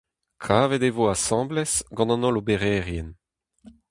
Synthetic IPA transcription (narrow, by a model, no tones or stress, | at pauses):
kʰaːvɛd̪evoasɑ̃ːblɛsɡɑ̃nɑ̃nɔ̃lobeʁɛːʁjɛn